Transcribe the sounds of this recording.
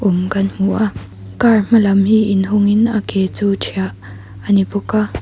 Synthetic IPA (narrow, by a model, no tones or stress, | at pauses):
ʔʊmkɐnm̥uʔa | karm̥ɐlɐmhiːʔɪnɦʊŋɪnakɛt͡suːt͡ʃʰiaʔ | ənipuka